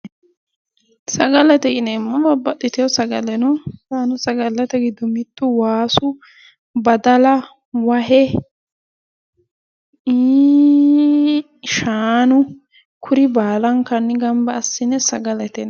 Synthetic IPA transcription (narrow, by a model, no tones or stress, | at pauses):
sɐɡɐlɛt̪ɛɡɪnɛmːɐbɐbːɐt̪ːɪt̪ɛjɔsɐɡɐlɛnʊt̪aːnʊsɐɡɐlːɛt̪ɛɡɪd̪ʊmɪt̪ːʊwaːsʊ | bɐd̪ɐlɐ | wɐɦɛ | ʃaːnʊ | kʰʊɾɪbaːlɐŋkɐnːɪɡɐmbɐːsːɪnɛsɐɡɐlɛt̪ɛn